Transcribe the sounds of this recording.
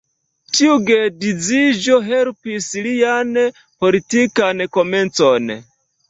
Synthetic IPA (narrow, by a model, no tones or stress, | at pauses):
tʰiuɡedid͡zid͡ʒoɦelpislijane | politikanekoment͡sone